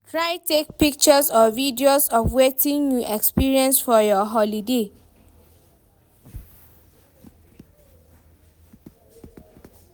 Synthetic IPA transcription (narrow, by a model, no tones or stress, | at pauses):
tʰɹaɪtek̚pik̚t͡ʃəsɔvidiosɔfwetĩnjuʔɛkspiɹiɛ̃nsfɔjɔɦɔlide